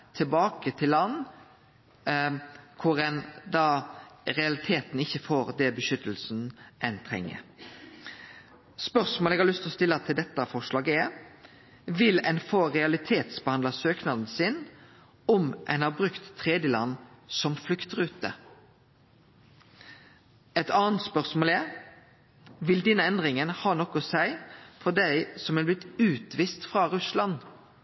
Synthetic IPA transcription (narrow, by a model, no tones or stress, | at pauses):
t̪ʰɪlbɑːkət̪ʰɪlːɑnː | kʰʊɾɛnd̪ɑɾɛɑlɪt̪ʰeːt̪n̩ɪçːəfoːɾd̪ɛbəʃʏt̪əlsn̩ʔɛnt̪ʰʁɛ̰ŋːə̰ɾ | spœʁsmoːlɛɡhɑlʏst̪ɔst̪ɪlːɑt̪ʰɪld̪ɛt̪ːɑfɔʂlɑːɡəɛɾ | ʋɪlɛnfoːɾɛɑlɪt̪ʰeːt̪sbəhɑnd̪ɑsøːknɑd̪n̩sɪn | ɔmʔæ̰ɪnhɑːbʁʉkt̪ʰːʁeːd̪jəlɑ̰nːsɔmflʏkt̪ʁʉːt̪ə̰ | ɛt̪ɑːənt̪spœʁsmoːlæɾ | ʋɪld̪ɛnəɛnd̪ʁɪŋənhɑːnɔkʊsæɪfɔd̪æɪsɔmʋɪlb̪lɪt̪ʉːt̪ʋiːst̪fʁɑʁʉslɑn